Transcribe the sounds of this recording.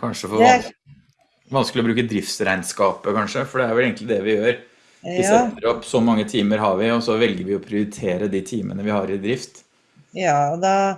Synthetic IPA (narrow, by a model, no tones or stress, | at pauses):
kʰɑnʂəfɔ | ʋɑnskəlɪɔbɾʉːkəd̪ɾɪft̪sɾæɪnskɑːpəkɑnʂəfɔɖɛæɾʋɛleːɡŋk̪t̪lɪd̪ɛʋɪjøːɾ | ɪsɛt̪ːəɾɔpːsɔmɑŋːət̪ʰiːməɾɦɑɾʋɪɔsɔʋɛlɡəɾʋɪɔpʰɾɪʊɾɪt̪ʰeːɾəd̪it̪ʰiːmʔə̰nəʋɪhɑɾɪd̪ɾɪft̪ | jd̪ɑ